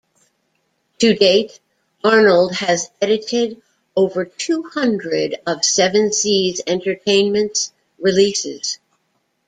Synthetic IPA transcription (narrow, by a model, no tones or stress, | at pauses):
tʰɨdeɪt | ɑɹnl̩ˠd̚ɨzɛɾɨɾɪɾ | oʊvə˞tʰuhʌ̃ndɹɪɾʌv̥sɛvɨ̃nsizɛ̃ntə˞tʰẽɪ̃nmɨ̃nts | ɹilisɪ̰z̥